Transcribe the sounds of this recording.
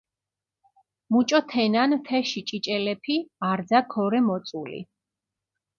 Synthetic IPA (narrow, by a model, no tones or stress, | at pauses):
mut͡ʃʼɔt̪ʰɛnant̪ʰɛʃit͡ʃʼit͡ʃʼɛlɛpʰiaɾd̪zakʰɔɾɛmɔt̪sʼṵlḭ